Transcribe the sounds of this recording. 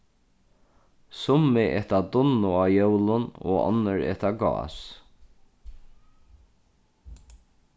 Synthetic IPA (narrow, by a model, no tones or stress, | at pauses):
sʊmɪʔɛt̪ad̪ʊnːʊaːjœwlʊno̰ːɔ̰nəɾɛ̰ht̪aɡɑ̰ːs